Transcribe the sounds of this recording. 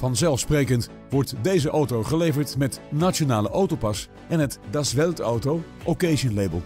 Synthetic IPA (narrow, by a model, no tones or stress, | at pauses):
vɑnzɛlˠfsprejkənt | ʋɔɹtdejzəʔowtowχəlejvəɹtmɛtnatt͡ʃonaːləʔowtowpɑs | ɛnɦətdasʋɛlˠto̰wtow | ʔokejʒənlejbəlˠ